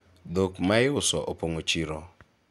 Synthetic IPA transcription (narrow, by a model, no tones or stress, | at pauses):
d̪okmajʊsɔʔopoŋot͡ʃiɾɔ